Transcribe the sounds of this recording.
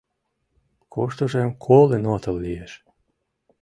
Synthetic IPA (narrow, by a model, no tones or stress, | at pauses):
kʰoʃt̪oʒemkʰolenot̪ə̆lːieʃ